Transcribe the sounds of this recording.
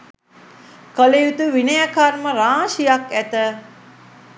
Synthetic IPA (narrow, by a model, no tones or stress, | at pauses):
kəlejut̪uʋinəjakaɾməɾaːʃijakæt̪ə